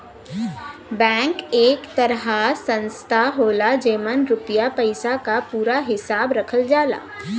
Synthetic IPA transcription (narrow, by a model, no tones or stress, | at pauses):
bɛ̃ːŋkeːkt̪ɐɾɦasə̃nst̪ʰaɦoːlad͡ʒeːmənɾʊpjapəɪsakapuːɾaɦɪsaːbɾɐkʰəld͡ʒaːla̰ː